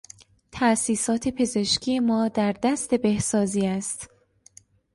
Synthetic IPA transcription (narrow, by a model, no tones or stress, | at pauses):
t̪ʰæsiːsɒːt̪ʰe̞pʰe̞ze̞ʃcʰije̞mɒːd̪æɾd̪æst̪e̞be̞hsɒːziːæst̪